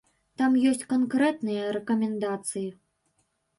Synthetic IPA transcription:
t̪amjɔsʲt͡sʲkɐnkɾɛt̪nɨjɐɾɛkɐmʲɛnd̪at̪sɨji

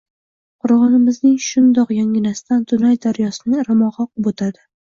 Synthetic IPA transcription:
qʰʊɾʁɑnɪmɪznɪŋʃʊnd̪ɒqjɒŋʲɪnasɪ̥t̪ant̪ʰʊnajd̪aɾjɒsɪnɪŋɾamɒʁɑqɨbot̪ʰad̪ɪ

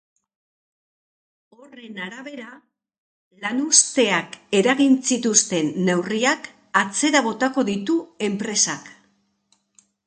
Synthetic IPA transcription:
o̞re̞naɾaβe̞ɾa | lanust̪e̞ake̞ɾaɣinsit̪ust̪e̞nːe̞wriak | at͡se̞ɾaβ̞o̞t̪ako̞ðit̪ue̞mpɾe̞sak

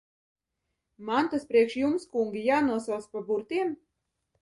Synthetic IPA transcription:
mant̪aspɾiɛkʃjumskuŋɡʲijaːnuɔsawt̪spabuɾt̪iɛm

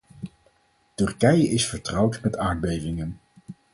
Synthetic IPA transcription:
tɵɹkɛjəʔɪsfəɹtrɑwtmɛtaːɹd̚bejvɪŋən

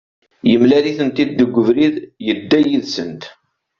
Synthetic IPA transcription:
jəmlæɾiθənt̪id̪ːəɡʷːəvɾiðjəd̪ːæjiðsənt̪

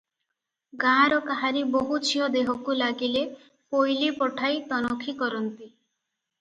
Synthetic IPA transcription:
ɡãɾɔkaɦaɾiboɦut͡ʃʰiɦɔd̪eɦɔkulaɡile | pojlipɔʈʰajt̪ɔnɔkʰikɔɾɔnt̪i

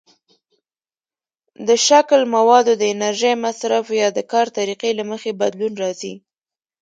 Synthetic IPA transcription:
d̪əʃaklmawɑd̪od̪əɪnaɾʒəjmasɾafjɑd̪əkɑɾt̪aɾiqelaməxebad̪lunɾɑzi

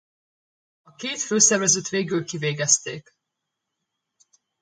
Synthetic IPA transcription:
ɒkeːt̪føːsɛrvɛzøt̪ʋeːɡylkiveːɡɛst̪ḛːk

